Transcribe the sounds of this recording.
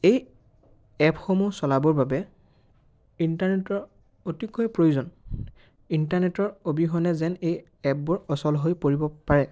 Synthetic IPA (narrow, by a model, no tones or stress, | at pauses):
ej | ɛpxomusɔlabɔɹbabɛ | intaɹnɛtɔɹ | otikːɔjpɹojuzɔn | intaɹnɛtɔɹobiɦɔnɛzɛnej | ɛp̚bɔɹɔsɔlɦojpoɹibɔpaɹɛ